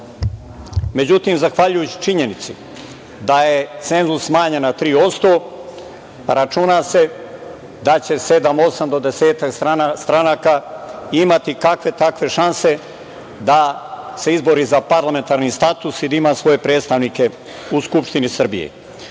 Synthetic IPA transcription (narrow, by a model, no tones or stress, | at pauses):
me̞d͡ʑut̪iːmzaxʋaʎujut͡ɕi̥t͡ʃiɲe̞nit̪sḭ | d̪aje̞t̪se̞nzusːmaːɲenat̪ɾiːo̞st̪o̞ː | ɾat͡ʃunaːse̞ | d̪at͡ɕe̞se̞d̪amo̞samd̪o̞d̪ese̞ːt̪aksst̪ɾanaːkaːimat̪ikakʋe̞t̪akʋe̞ʃanse̞ | d̪ase̞izbo̞ɾizapaɾlame̞nt̪aːɾniːst̪at̪usid̪aimaːsʋo̞je̞pɾeːt̪st̪aʋniːke̞ | uskupʃt̪inisr̩bijḛ